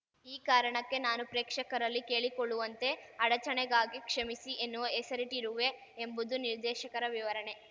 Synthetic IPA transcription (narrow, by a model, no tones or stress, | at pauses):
iːkaːɾɐɳɐkːe̞naːnupɾeːkʂɐkɐɾɐlːike̞ːɭikoɭːuʋɐnt̪e̞ɐɽɐt͡ʃɐɳeɡaːɡikʂɐmisiʔenːuʋɐesɐɾiʈiɾuʋe̞ | embud̪uniɾd̪ɛːʃɐkɐɾɐʋiʋɐɾɐɳe̞